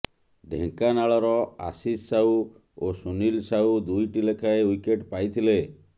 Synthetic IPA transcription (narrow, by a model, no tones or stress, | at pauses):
ɖʱḛ̃ŋkanaɭɔɾɔa̰sissau | osunilsaud̪ujʈilekʰaewikeʈpajt̪ʰile